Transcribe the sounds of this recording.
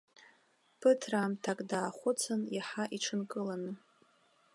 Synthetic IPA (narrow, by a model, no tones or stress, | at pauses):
pʰɨtʰramtʰakʼdaːχʷʊt͡sʰɨnjaħaʔiʈ͡ʂʰɨnkʼɨlanɨ